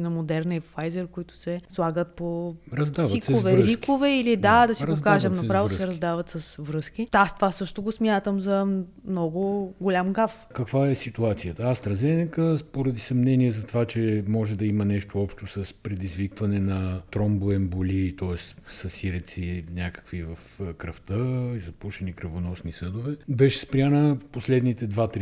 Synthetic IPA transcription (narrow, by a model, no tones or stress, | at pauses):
nɐmod̪ɛɾnifajzɛɾkoit̪ʊ̥sɛslˠaɡət̪̚poɾɐzd̪avisovɛɾikovɛilid̪ad̪ɐsiokaʒɐmnɐpɾavɛlˠosɛɾɐzd̪avɐt̪sɐsvɾɤsk̟iast̪ovasɤʃt̪ʊɡosmʲjat̪əmzɐ | mnɔɡʊɡolʲamɡaf | kɐkvaɛsit̪uat̪sijət̪əast̪ɾɐzɛnɐkəpoɾɐd̪isɐmnɛniɛzɐt̪ovat͡ʃɛmɔʒɛd̪ɐimɐnɛʃt̪oɔpʃt̪osɐspɾɛd̪izvikvɐnɛnɐt̪ɾɔmboɛmbolʲit̪ɔɛst̪sɐsiɾɛt̪sinʲakə̥kvivɐfkɾɐft̪əizɐpuʃɛnikɾɐvonɔsnisɤd̪ovɛbɛʃɛ̥spɾʲianəposlɛd̪nit̪ɛd̪vat̪ɾ